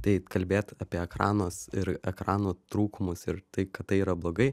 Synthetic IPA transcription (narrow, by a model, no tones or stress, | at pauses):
t̪ɐɪkɐlʲbʲeːt̪ɑpʲiɛɛkɾɑ̰ːnoːsɪɾɛkɾɑːnoːt̪ɾuːkʊmʊsɪɾt̪ɐɪkɐt̪̚t̪ːɐɪiːɾɐblˠoːɡɐɪ